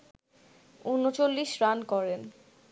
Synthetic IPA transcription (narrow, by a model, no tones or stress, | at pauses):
unːot͡ɕolːiʃɾankɔɾen